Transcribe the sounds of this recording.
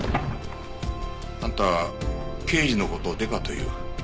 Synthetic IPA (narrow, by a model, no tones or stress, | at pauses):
nãnt̪a | ke̞ːʑino̞ko̞t̪o̞d̪e̞k̪at̪o̞jɯ̟̰ː